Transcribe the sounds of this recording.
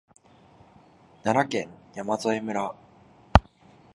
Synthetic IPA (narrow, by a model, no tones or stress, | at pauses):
nanɾakẽ̞ŋjamazoemɯ̟ɾa